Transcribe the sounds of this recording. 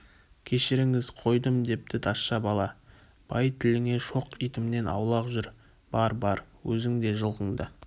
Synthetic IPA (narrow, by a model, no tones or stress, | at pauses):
kʲʰe̞ʃɪɾɪŋɪzqʰo̞jd̪əmd̪e̞p̚t̪ɪt̪ʰɑsʃɑbɑlˠɑ | b̥ɑjt̪ʰɪlɪŋe̞ʃo̞qijt̪ɪmne̞nɑ̰wlˠɑqʒʏɾ | b̥ɑɾbɑɾwɵzɪŋd̪e̞ʒəlˠʁəɴd̪ə